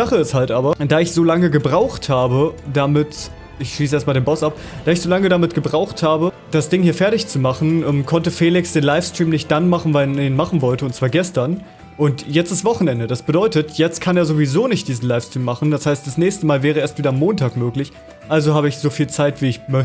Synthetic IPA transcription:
izaχəɪsthaltʔaːbɐd̥aːɪçz̥oːlaŋəɡəbʁaʊxthaːbədamɪt | ɪçʃliːs̬əeːɐtmaldeːnmbɔsap̚ | d̥aːɪçz̥oːlaŋədamɪt̚ɡ̥əbʁaʊxthaːbə | d̥asd̥ɪŋhiːɐfɛɐtɪçt͡sumaχn̩ʔɛmkʰɔntəfɛːlɪksd̥eːnlaɪfstʁ̥iːmnɪçt̚d̥anmaχn̩vaneiːnmaχn̩vɔltəʊntt͡sv̥aːɐɡɛstɐn | ʔʊntjɛt͡stɪstv̥ɔχn̩ɛndədasb̥ədɔʏtətjɛt͡st̚kʰaneːɐzovizoːnɪçt̚d̥iːzn̩laɪfstʁ̥iːmːaχn̩d̥ashaɪst̚d̥asnɛːçstəmaːlvɛːʁ̞əʔeːɐstv̥iːdɐamːoːntʰaːkmøːklɪç | ʔalzohaːbəɪçz̥ofiːlt͡saɪtv̥iːɪçmœç

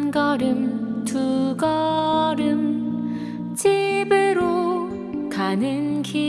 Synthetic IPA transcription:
nɡʌɾɯmtuɡʌɾɯm | t͡ɕʰibɯɾo | kanɯnkʰi

